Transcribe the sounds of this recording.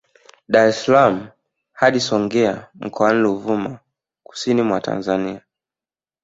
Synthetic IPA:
ɗaɾɛsalam̩ | haɗisɔŋɡɛam̩kɔaniluvuma | ku̥sinimwata̰nzania

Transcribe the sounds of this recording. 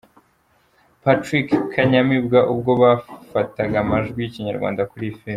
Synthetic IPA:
patɾikkʰːaɲamibɡaʔub̚ɡo̞βafataɡamaʒɡwijciɲaɾɡwa̰ːndakuɾife

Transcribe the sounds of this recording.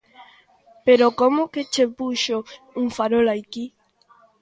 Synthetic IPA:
peɾokomoket͡ʃepuʃo | uŋfaɾolajki

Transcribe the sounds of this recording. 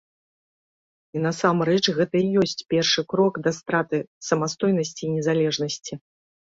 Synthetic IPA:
inɐsamɾɛt͡ʂɣɛt̪ɐijɔsʲt͡sʲpʲɛrʂɨkɾɔɡd̪ɐst̪ɾat̪ɨsɐmast̪ɔjnɐsʲt͡sʲiːnʲɛzalʲɛʐnɐsʲt͡sʲi

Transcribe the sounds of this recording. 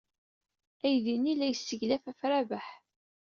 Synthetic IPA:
æjðinːilæjəsːəʝlæfæfɾavaħ

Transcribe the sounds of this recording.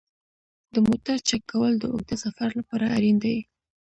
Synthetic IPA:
d̪əmot̪aɾt͡ʃakːawəld̪əʊ̰ɡ̚d̪asafaɾlapɑɾaːɾind̪awi

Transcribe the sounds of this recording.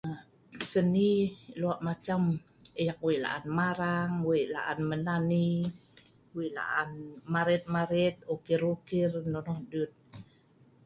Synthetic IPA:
a | səniluaʔmat͡ʃaməjak̚wiʔla̰ʔanmaɾaŋwiʔla̰ʔa̰nmənani | wiʔla̰ʔa̰nmaɾɛt̪̚maɾɛt̪̚okirukirnɔnɔhdut̪̚

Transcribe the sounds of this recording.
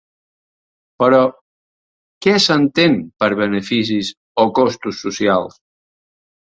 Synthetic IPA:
pəɾɔ | kɛsant̪enpəɾβənəfis̬is | okɔst̪usːusja̰lˠs

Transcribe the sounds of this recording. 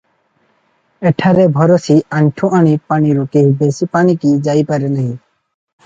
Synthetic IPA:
ɛʈʰaɾebʱɔɾɔsiaɳʈʰuʔaɽipaniɾuk̪eɦbesipanikid͡ʒajpaɾɛnaɦi

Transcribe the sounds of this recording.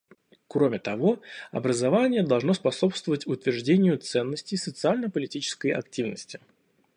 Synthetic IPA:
kɾo̞mʲɪt̪ɐvo̞ɐ̰bɾəzɐvanʲɪjəd̪ɐlˠʐno̞spɐso̞pst̪vəvətʲʊt̪vʲɪrʐdʲenʲɪjʊt̪sɛnːəsʲtʲɪjsət̪sɨalʲnəpəlʲɪtʲit͡ɕɪ̥skəjɐ̰ktʲivnə̰sʲtʲɪ̥

